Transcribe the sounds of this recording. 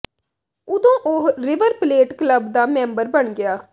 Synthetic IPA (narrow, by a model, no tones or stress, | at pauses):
ʊd̪õːʔoɦɾɪʋəɾpleːʈkləbd̪aːmɛ̃ːmbəɾbəɳɡɪaː